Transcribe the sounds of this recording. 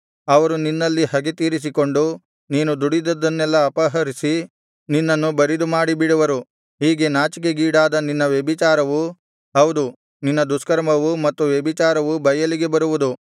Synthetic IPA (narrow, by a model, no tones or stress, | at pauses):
ɐʋɐɾuninːɐlːihɐɡet̪iːɾis̬iko̞ɳɖu | niːnud̪uɽid̪ɐd̪ːɐnːɛlːɐːpɐɦɐɾisi | ninːɐnːubɐɾid̪umaːɽibiɽuʋɐɾu | ɦiːɡe̞naːt͡ʃik̬eɡiːɽaːd̪ɐninːɐʋjebit͡ʃaːɾɐʋu | ɦɐwd̪u | ninːɐd̪uskɐɾmɐʋumɐt̪ːuʋjɛbit͡ʃaːɾɐʋubʱɐjɐliɡe̞bɐɾuʋud̪u